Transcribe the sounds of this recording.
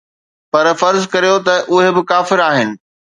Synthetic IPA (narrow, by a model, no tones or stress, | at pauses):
pɐɾfɐɾzkɐɾijot̪ɐʔʊɦebɪkaːfɪɾaːɦɪnɪ̆